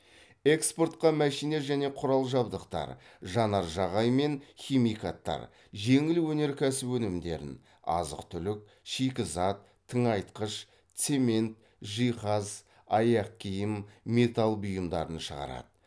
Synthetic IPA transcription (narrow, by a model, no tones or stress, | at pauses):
e̞kspo̞ɾt̪̚qɑmæʃijne̞ʒæne̞qʰʊɾɑlˠʒɑbd̪əqt̪ɑ̰ɾʒɑnɑɾʒɑʁɑjme̞nχʲimijkat̪ːɑ̰ɾ | ʒe̞ŋɪlwɵne̞ɾkʲʰæsɪpwɵnɪmd̪e̞̰ɾɪ̰n | ɑ̰zə̰qt̪ʰʏlɪk̚ | ʃikʲɪzɑt̪ʰːəŋɑjt̪qəʃ | t̪se̞me̞nt̪ | ʒijχɑz | ɑjɑq̚kʲʰijɪmːe̞t̪ɑlˠbʊjəmd̪ɑ̰ɾənʃəʁɑ̰ɾɑ̰d̪̥ə